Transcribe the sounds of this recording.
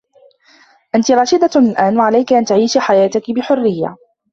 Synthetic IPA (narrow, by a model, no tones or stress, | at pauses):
ʔant̪ɪɾˤɑːʃɪd̪alʔaːnwaʕalajkʔant̪aʕiːʃħajaːt̪ɪkɪbɪħʊrːɪjːa̰